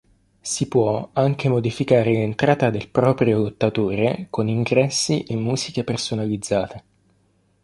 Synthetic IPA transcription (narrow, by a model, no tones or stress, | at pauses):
sipwɔaŋk̟emod̪ifikaːɾelent̪ɾaːt̪ad̪elpɾɔːpɾjolot̪ːat̪oːɾekoniŋɡɾɛsːiʔemːuːzikepersonalid̪zːaːt̪e